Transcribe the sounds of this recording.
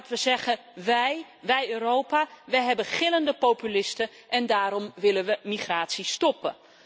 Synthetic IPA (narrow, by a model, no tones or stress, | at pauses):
tʋəzɛχə | ʋɛj | ʋɛjøːrowpaʋəjɦɛbəχɪləndəpowpylɪstə | ʔɛndaːɾɔmʋɪlənʋəmiχraːtsistɔpə